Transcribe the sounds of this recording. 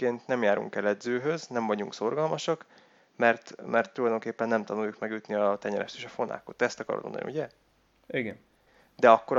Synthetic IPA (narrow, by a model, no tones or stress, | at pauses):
eːnt̪nɛmjaːɾṵŋkɛlɛd̪zøːɦøznɛɱvɒɟuŋkso̞rɡɒlmɒʃɒk | mɛrt̪mɛrt̪ːulɒjd̪o̞ŋkeːpːɛnːɛmt̪ɒnujːukmɛɡyt̪niɒt̪ɛɲɛɾɛ̰ʃt̪eːʃɒfo̞nʔa̰ːkot̪ːɛst̪ɒkɒ̰ro̰t̪mo̰nd̪̰nḭuɟɛ | iɡɛn | d̪ɛɒkːo̞ɾ